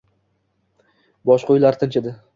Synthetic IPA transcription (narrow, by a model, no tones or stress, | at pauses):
bɒʃqʰojlaɾt̪ʰɪnt͡ʃʰed̪ɪ